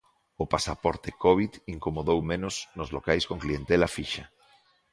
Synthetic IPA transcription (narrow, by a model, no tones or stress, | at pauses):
opasapoɾt̪ekoβit̪iŋkomoðowmẽnoznozlokajskoŋklient̪elafiʃa